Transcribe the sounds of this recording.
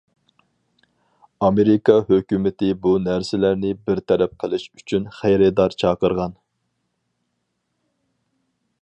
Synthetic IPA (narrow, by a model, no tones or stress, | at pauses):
ɑmeɾɪkɑhøkʲymɪt̪ʰɪbunæɾsɪlæɾnɪbɪɾt̪ʰɛɾɛp̚qʰəlˠɨʃyt͡ʃʰynχæjɾɛd̪ɑɾt͡ʃʰɑːqəɾʁɑn